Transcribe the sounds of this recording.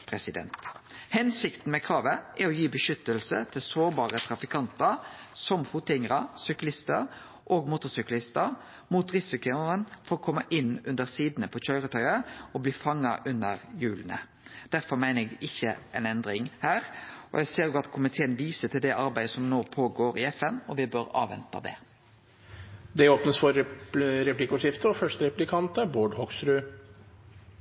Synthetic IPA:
pʰɾɛsɪd̪ɛ̰nt̪hɛnsɪkt̪n̩mɛkʰɾɑːʋəʔɛɔjiːbəʃʏt̪ːəlsə̰t̪ʰɪlsoːɾbɑːɾət̪ʰɾɑfɪkʰɑnt̪əɾsɔmfuːt̪ɪŋəʁɑsʏklɪst̪əɾ | ʔoːɡmuːt̪ɔsʏklɪst̪ə | muːt̪ʁɪsɪkʊənfɔɾɔkʰɔmːəʔɪnʉnd̪əʁsiːd̪n̩əpʰɔçœʏɾət̪ʰœʏəɔbliːfɑŋːɑ̰ʔʉnːəʁjʉːln̩ə̰ | d̪̥æɾfɔɾmæɪnəɾɛɡʔɪçːəɛnɛnd̪ɾɪŋhæːʁɔ̰jæɪseːɾjuːɑt̪kʰʊmɪt̪ʰeːənʋiːsət̪ʰɪld̪ɛʔɑɾbæɪd̪əsɔmnoːpʰoːɡoːɾɪɛfɛnɔʋɪbøːɾɑ̰ːʋɛ̰nt̪ɑ̰d̪ɛ̰ | d̪ɛoːpnəsfɔɾɾɛplikːʊʂɪft̪əɔfœʂʈəɾɛplɪkʰɑnt̪əboːɖhɔksɾʉː

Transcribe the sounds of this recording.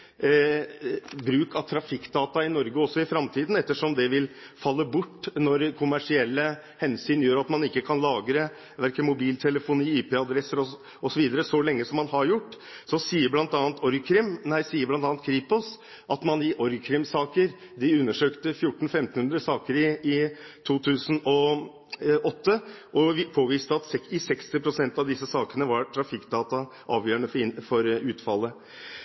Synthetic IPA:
bɾʉːkʰɑʋt̪ʰɾɑfɪkːd̪ɑːt̪ɑɪnɔɾɡəɔsːɔɪfɾɑmt̪ʰiːd̪nɛt̪ːəʂɔmd̪ɛʋɪl | fɑlːəbʊʈːnɔɾkʰʊmæʂɪɛlːə | hɛnsyːnjøːɾɑt̪mɑnɪkːəkʰɑnlɑːɡɾə | ʋæɾkəmʊbiːlt̪ʰɛləfʊniːiːpʰeːɑd̪ɾɛsːəɾɔ | ɔsɔʋiːd̪əɾəsɔlɛŋːəsɔmːɑnhɑɾjʊʈː | sɔsiːəblɑnt̪ɑːnt̪ɔɾɡkʰɾɪmnæɪsiːəblɑnt̪ɑːnt̪̚kʰɾiːpɔs | ʔɑt̪mɑnɪʔɔɾɡkʰɾɪmsɑːkəɾ | d̪ɪʉnːəʂøːkt̪əfjʊʈːɳn̩fɛmt̪n̩hʉnd̪ɾəsɑːkəɾɪɪt̪ʰuːt̪ʰʉːsən̩ɔ | ʔɔt̪ːəʔɔpʰoːʋiːst̪əɑt̪sɛɪsɛkst̪ɪpʰɾʊsɛnt̪ɑʋd̪ɪsːəsɑːkənəʋɑɾʈʰɾɑfɪkːd̪ɑːt̪ɑ | ʔɑːʋjøːəɳəfɔɾʉːt̪fɑlːə

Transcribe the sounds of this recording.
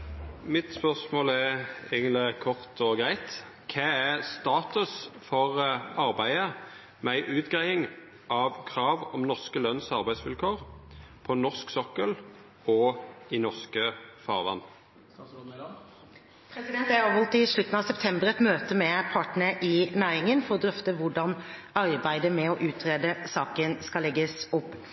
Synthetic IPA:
mɪt̪spœʁsmoːlæeɪɡənlɪkʰɔʁt̪ʰɔɡʁæɪt̪ | kʰeːæst̪ɑːt̪ʉsfɔʁɑʁbæɪə | mɛæɪʔʉːt̪ɡʁæɪɪŋ | ʔɑʋkʰʁɑːʋɔmnɔʁskəlœnsɑʁbæɪsʋɪlkʰoːʁpʰɔnɔʁsksɔkːəl | ɔɪnɔʁskəfɑːʁʋɑ̰n | pʰɾɛsɪd̪ɛnt̪æɾɑʋɔlt̪ɪʂɭʉt̪n̩ɑːʋsɛpt̪ʰɛmbəɾɛt̪møːt̪əmɛpʰɑːʈn̩əʔɪnæːɾɪŋənfɔɾɔd̪ɾœft̪əʋʊɖɑn | ɑɾbæɪd̪əmɛɔʔʉːt̪ʰɾeːd̪əsɑːkənskɑlːɛɡːəsʊpː

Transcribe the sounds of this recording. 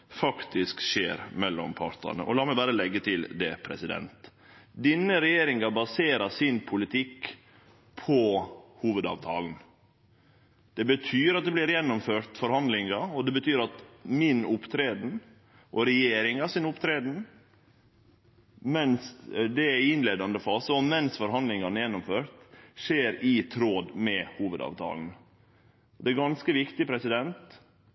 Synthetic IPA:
fɑkt̪ɪskʃḛːɾmɛlːɔ̰mpʰɑ̰ɾt̪ə̰nə̰ʔɔ̰lɑːmɛɪbɑːɾəlɛɡːət̪ʰɪld̪ɛ̰pʰɾɛ̰sɪd̪ɛ̰nt̪ | d̪inːəɾɛjeːɾɪŋɑbɑseːɾəsɪnpʰʊlɪt̪ʰɪkː | pʰɔhuːʋəd̪ɑ̰ːʋt̪ʰɑ̰ːln̩ | d̪̥ɛbət̪ʰyːɾɑt̪̚d̪ɛblɪɾjɛnːʊmføːɾt̪fɔɾhɑnd̪lɪŋɑɔd̪ɛbət̪ʰyːɾɑt̪mɪnʊpt̪ʰɾeːd̪n̩ | ʔɔɾɛjeːɾɪŋɑːsɪnʊpt̪ʰɾeːd̪n̩ | mɛnsd̪ɛæɾɪnleːd̪ɑnd̪əfɑːsɔmɛnsfɔɾɦɑnd̪lɪŋɑnəjɛnːʊmføːɾt̪ʂeːɾɪt̪ʰɾoːd̪mɛhuːʋəd̪ɑ̰ːʋt̪ʰɑ̰ːln̩ | ɔd̪ɛæɾɡɑnskəʋɪkt̪ɪpʰɾɛsɪd̪ɛnt̪

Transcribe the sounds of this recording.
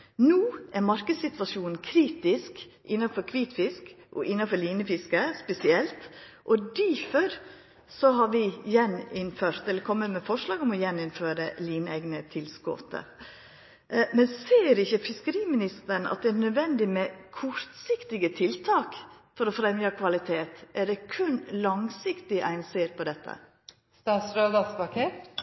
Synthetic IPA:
nuːʔæɾmɑɾkəd̪sɪt̪ʋɑʂuːnn̩kʰɾiːt̪ɪsk | ʔɪnːɑfɔɾkʰʋiːt̪fɪsk | ʔɔ̰ʔɪnːɑnfɔɾɭiːnəfɪskəspɛsɪɛlt̪ʔɔd̪iføɾ | sɔɦɑɾʋɪjɛnɪnføːɾt̪ɛlːəɾkʰɔmːət̪mɛfɔʂlɑːɡɔmɔjɛnːɪnføːɾəliːnəɛɡnət̪ʰɪlsko̰ːt̪ə̰ | mɛnseːɾɪçːəfɪskəɾiːmɪnɪst̪əɳ̩ɑ̰t̪̚d̪ɛænœd̪ʋɛnd̪ɪmɛkʰɔɾt̪sɪkt̪ɪɡət̪ʰɪlt̪ʰɑːkfɔɾɔfɾɛmjɑːkʰʋɑlɪt̪ʰeːt̪ʔæɖɛkʰʉnlɑŋsɪkt̪ɪʔæ̰ɪnseːɾpʰɔd̪ɛt̪ʰːə̰ | st̪ɑːsɾøːd̪ɑspɑkʰɛt̪

